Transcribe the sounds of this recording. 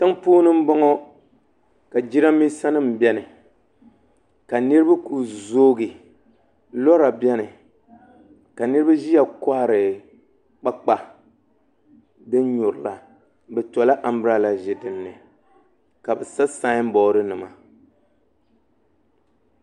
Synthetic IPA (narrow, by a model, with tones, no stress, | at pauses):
ta˦ŋpoː˦nɨ˦m̩˦bɔ˦ŋɔ˦ | ka˨d͡ʒi˦ɾa˦mi˦sa˦nɨ˦m̩˨bɛ˦nɨ˨ | ka˨nɨ˦ɾɨ˦ba˦ku˨zoː˦ɡɨ˨ | lɔ˦ɾa˨bɛ˦nɨ˨ | ka˨nɨ˦ɾɨ˦ba˦ʒi˦ja˨kɔ˦ha˨ɾɨ˨ | k͡pa˦k͡pa˦ | dɨ˦n˦ɲʊ˨ɾɨ˨la˨ | bɛ˨tɔ˨la˦ʔa˨m˦bɨ˦ɾa˦la˨ʒɪ˨dɨ˨nːɨ˨ | ka˨bɛ˨sa˦sa˦m̩˦bɔ˨˦ɾɨ˦nɨ˨ma˨